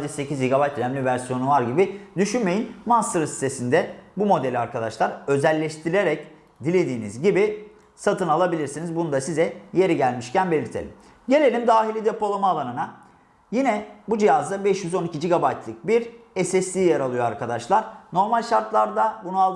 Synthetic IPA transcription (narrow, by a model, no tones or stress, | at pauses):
d͡ʒɛse̞cʰizd͡ʒiɡabajt̪næmlʲivæɾsijo̞nuvaɾɟibid̪yʃynme̞jinmanst̪ɯɾɯsi̥st̪ʰe̞sind̪ɛbumo̞d̪elʲiaɾkad̪aʃlˠaɾø̞zælʲːɛʃt̪ʰiɾe̞ɾɛc | d̪ilʲe̞d̪iːnḭzɟibi | sat̪ʰɯnalˠabilʲiɾsinizbunud̪asizɛje̞ɾiɟælʲmiʃcʰænbe̞lʲiɾt̪ʰḛlʲḭm | ɟe̞lʲe̞lʲimd̪aːɦilʲid̪e̞po̞lˠamaːlˠanɯna | jinɛbud͡ʒijazd̪abɛʃjyzo̞nicʰid͡ʒiɡabajt̪ʰlˠɯk̚biɾɛsɛslʲiːjaɾalˠɯjo̞aɾkʰad̪aʃlˠaɾno̞ɾmalʲʃaɾt̪lˠaɾd̪abununalˠd̪